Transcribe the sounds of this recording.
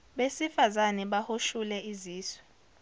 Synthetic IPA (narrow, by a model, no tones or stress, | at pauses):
ɓesifazanɛɓahoʃulɛiziːswɛ